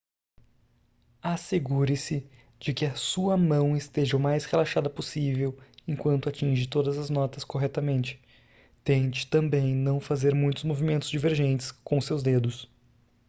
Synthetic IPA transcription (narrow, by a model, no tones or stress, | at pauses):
aseɡuɾɪsɪ | d͡ʒɪkɪɐsuɐmɐ̃w̃ɪst̪eʒɐʊmajshelaʃad̪ɐposivewẽŋkwɐ̃nt̪ʊat͡ʃĩʒɪt̪od̪ɐzɐznɔt̪ɐskoɦɛt̪ɐmẽnt͡ʃɪ̥ | t̪ẽnt͡ʃɪ̥t̪ɐ̃mbẽj̃nɐ̃w̃fazeɾmũj̃t̪ʊzmovimẽnt̪ʊzd͡ʒiveɾʒẽnt͡ʃɪ̥skõʊsewzd̪ed̪ʊs